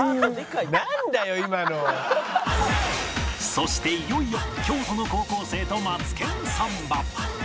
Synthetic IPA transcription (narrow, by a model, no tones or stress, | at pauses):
knand̪ajoimano | so̞ɕi̥t̪e̞ijo̞ijokʲo̞ːt̪ono̞ko̞ːko̞ːse̞ːt̪o̞mat͡sɨ̥kẽ̞ɰ̃sãmbã